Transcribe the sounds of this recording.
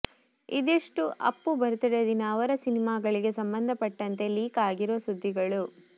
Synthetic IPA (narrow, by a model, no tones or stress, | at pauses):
id̪iʂʈuʔɐ̰pːubɐɾut̪iɽed̪inɐːʋɐɾɐsinimaːɡɐɭiɡe̞sɐmbɐnd̪ʱɐpɐʈːɐnt̪e̞liːkaːɡiɾoːsud̪ʱːiɡɐɭu